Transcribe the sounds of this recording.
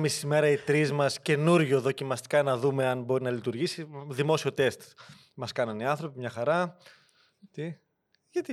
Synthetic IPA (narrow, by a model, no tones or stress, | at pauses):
misime̞ɾɐit̪ɾizmɐsce̞nuɾʝo̞ðo̞cimɐst̪i̥kɐnɐðume̞ɐnbo̞ɾinɐlit̪uɾʝisiðimo̞sio̞t̪e̞st̪ | mɐskɐnɐniɐnθɾo̞pimɲɐxɐɾɐ | t̪i | ʝɐt̪i